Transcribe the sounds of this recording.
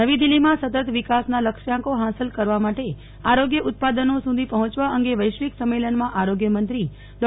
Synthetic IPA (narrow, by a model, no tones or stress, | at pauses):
nəʋid̪ilːimãsət̪ət̪ʋikasnaləkʃjãkoɦasəlkəɾʋamaʈe | aɾoɡjəʔʊt̪̚pad̪ənosud̪ʱipəɦɔ̃t͡ʃʋaʔəŋɡeʋəjʃʋiksəmːelənmãʔaɾoɡjəmənt̪ɾi | lɔ